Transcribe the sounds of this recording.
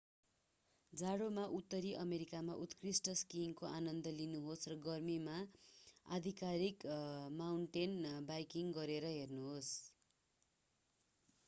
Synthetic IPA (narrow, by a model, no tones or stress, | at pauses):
d͡zaɽomaʔut̪ːʌɾiʔʌmeɾikamaʔut̪krisʈʌskiŋkoʔanʌnd̪ʌlinuɦosrʌɡʌrmima | a̰d̪ʱikaɾikmawɳʈenbajkiŋɡʌɾeɾʌɦernuɦos